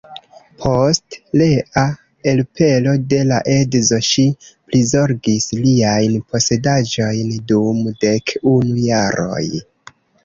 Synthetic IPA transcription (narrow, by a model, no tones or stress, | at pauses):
pʰo̞stleʔa | elpʰe̞lo̞de̞laʔedzo̞ʃiplizo̞ɾɡisliajnpʰo̞se̞dad͡ʒo̞jndumde̞kunujaɾo̞̰j